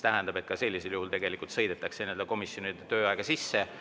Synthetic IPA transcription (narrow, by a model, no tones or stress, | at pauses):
t̪æɦɛnd̪̥ɑb̥e̞t̪̚kɑse̞lʲːiseljuɦult̪e̞ɡe̞likˑult̪sɤ̞jd̪et̪ːˑɑkseneld̪eko̞misjo̞nid̪̥et̪øːɑeɡ̥ɑsisːe̞